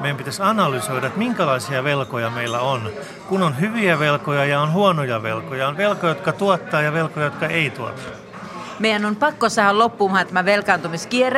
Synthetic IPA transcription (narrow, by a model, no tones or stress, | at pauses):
mejæmpit̪æsɑnɑlysoiɾɑet̪miŋkælɑisiɑʋelkojɑmeilːæon | kunonhyʋiæʋelkojɑjɑonhuonojɑʋḛlkojɑonʋelkojɑjot̪̚kɑt̪uot̪ːɑːjɑʋelkojɑjot̪kɑʔeit̪uo̰t̪ːɑ̥ː | meijænonpɑkːosɑhælopːuːmɑhɑnt̪æmæʋelkɑːnt̪umiskier